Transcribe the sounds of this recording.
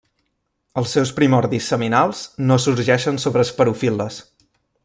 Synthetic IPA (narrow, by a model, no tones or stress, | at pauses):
əlˠsːɛwspɾimɔɾðisːəminalˠznosuɾʒɛʃənsoβɾəspəɾufilˠəs